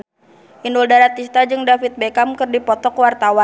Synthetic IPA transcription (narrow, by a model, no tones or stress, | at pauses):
ʔinduldaɾat̪ːist̪ad͡ʒɨŋdafit̪̚bekamkɨrdipɔt̪ɔkwart̪awa